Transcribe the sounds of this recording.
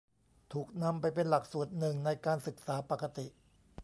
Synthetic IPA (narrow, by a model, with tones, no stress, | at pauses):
t̪ʰuː˨˩k̚na˧mpa˧jpe˧nla˨˩k̚su˨˩ət̪̚nɯ˨˩ŋna˧jkaː˧nsɯ˨˩k̚saː˩˦pa˨˩ka˧t̪i˨˩ʔ